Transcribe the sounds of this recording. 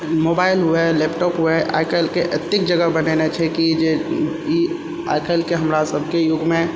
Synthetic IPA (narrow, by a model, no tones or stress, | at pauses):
mobaːɪlɦuelɛpʈɔːpɦueʔa̰ːjkʰəlkeʔət̪jɪk̚d͡ʒəɡəbənenet͡ʃʰɛkid͡ʒe | i | a̰ːɪkʰəlkeɦəmɾasəbʱkejʊɡmẽ